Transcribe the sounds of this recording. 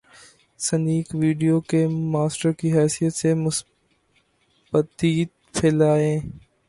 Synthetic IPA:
səniːkʋiːɖijokemaːsʈəɾkiɦɛːsijət̪semʊs | bət̪iːt̪ | pʰɪlaːẽː

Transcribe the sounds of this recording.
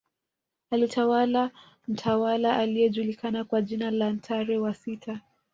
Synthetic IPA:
alitʰawala | m̩tʰawalaʔalijɛʄulikanakwaʄinalantʰaɾɛwasitʰa

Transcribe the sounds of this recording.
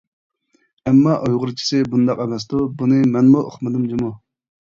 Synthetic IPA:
ɛmːɑʔojʁʊɾt͡ʃʰi̥sɨbund̪ɑqɛmɛs̬d̪ubunɨmɛnmuʔo̰χmɨd̪ɨmd͡ʒimu

